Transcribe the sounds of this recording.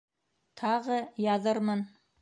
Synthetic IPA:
t̪ʰɑʁɤjɑðɤɾmɤn

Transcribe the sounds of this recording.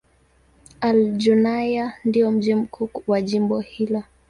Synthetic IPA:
ald͡ʒunajandiɔm̩ʄim̩kʰuwaʄimbɔhilɔ

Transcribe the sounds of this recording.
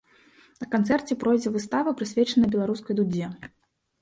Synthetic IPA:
nɐkant̪sɛrt͡sʲɛpɾɔjd͡zʲɛvɨst̪avɐpɾɨsʲvʲɛt͡ʂɐnɐbʲɛlˠaɾuskɐjd̪ud͡zʲɛ

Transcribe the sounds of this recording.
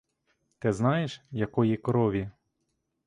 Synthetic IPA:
t̪ɪznɑjeʃjɐkɔjikɾɔʋʲi

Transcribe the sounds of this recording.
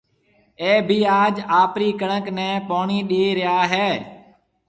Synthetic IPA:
eːbʱiːaːd͡ʒaːpɾiːkəɳəknɛ̃ːpoːɳiːɗeːɾɪjaːɦɛː

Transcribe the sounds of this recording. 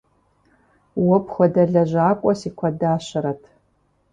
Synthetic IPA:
wɔpʰχʷɔdɐɮɐʒʷaːkʷʼɔsiːkʷʰɐdaːɕɐɾɐtʰ

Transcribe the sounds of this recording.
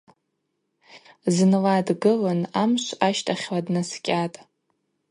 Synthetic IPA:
znladɡɨlanamʃʷaʃtʰʼaχʲwadnaskʲʼatʼ

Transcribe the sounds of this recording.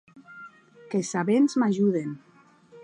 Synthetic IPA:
kesaβenzmaʒuðen

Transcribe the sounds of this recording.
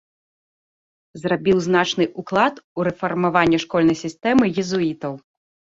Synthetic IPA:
zrabʲiwznat͡ʂnɨʔuklˠat̪uɾɛfarmavanʲːɛʂkɔlʲnɐjsʲist̪ɛmɨjɛzuit̪ɐw

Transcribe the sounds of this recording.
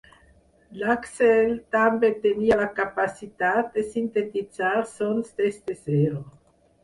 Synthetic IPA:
laksɛlt̪ambet̪enialakapasit̪at̪̚d̪esint̪et̪it͡saɾsonst̪est̪ezeɾo

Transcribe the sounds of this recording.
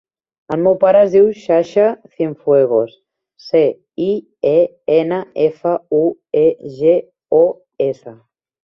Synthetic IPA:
əlmewpaɾəːzðiwʃaʃaθiɱfweɣ̞os | se | i | e | enəefəueʒe | o | esə

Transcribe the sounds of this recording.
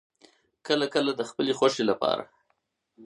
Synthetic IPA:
kəlakəlad̪əxpəlexwaʂelapɑ̰ɾa̰

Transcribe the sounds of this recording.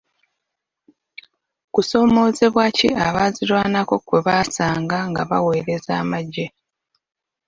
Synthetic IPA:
kuso̞ːmo̞ːze̞βwacḭʔaβaːziɾwaːnako̞kweβaːsaːŋɡaŋɡaβa̰we̞ːɾe̞za̰ːmaɟːe̞

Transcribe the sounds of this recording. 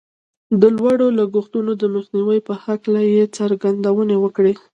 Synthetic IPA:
d̪əlwaɽolaɡuxt̪unod̪əməxniwəjpəhaklajet͡saɾɡand̪awənewəkɽe

